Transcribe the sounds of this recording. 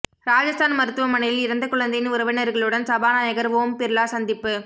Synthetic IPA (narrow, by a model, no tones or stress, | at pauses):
ɾaːd͡ʒɐst̪ʰaːnmɐɾɯt̪ːɯʋɐmɐnɐjɪlɪɾɐnd̪ɐkʊɭɐnd̪ɐjɪnʊɾɐʋɪnɐɾɣɐɭɯɽɐnsɐbaːnaːjɐɣɐɾʋoːmpɛɾɯɭaːsɐnd̪ɪpːɯ